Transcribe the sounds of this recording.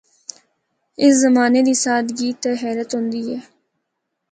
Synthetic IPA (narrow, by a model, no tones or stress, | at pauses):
ɪszəmaːneːd̪iːsaːd̪ɡiːt̪ɛːɦɛːɾət̪ɦʊ̃nd̪iːɛː